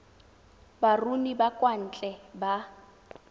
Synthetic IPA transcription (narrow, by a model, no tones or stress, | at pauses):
barunibakʼwan̩t͡ɬʼɛba